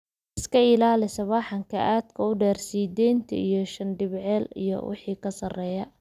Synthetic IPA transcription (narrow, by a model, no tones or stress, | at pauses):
ɪskʰɐɪlaːlɪsɐβɑːħɑŋkʰɐʔaːd̪kʰɐʊɖɛːrsiːd̪ɛjnt̪ʰɐ̰ijɞʃɐnɖɪβʕɛːlḭjɔ̰wɪ̰ħiːkʰɐsɐrɛːjɐ